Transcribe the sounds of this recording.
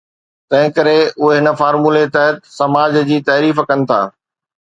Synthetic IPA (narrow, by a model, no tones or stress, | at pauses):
t̪ɐ̃ɦɪ̃kɐɾeʊɦeɦɪnə̆faːɾmuːlet̪ɐɦət̪sɐmaːd͡ʑd͡ʑiːt̪ɐːɾiːfkɐnɪ̆t̪ʰa̰ː